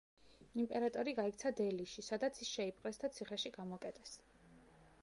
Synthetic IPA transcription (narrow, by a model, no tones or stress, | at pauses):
impʼɛɾat̪ʼɔɾiɡaikt̪sʰad̪ɛliʃisad̪at̪sʰisʃɛipʼqʼɛsd̪at̪sʰiχɛʃiɡ̥amɔkʼɛt̪ʼɛs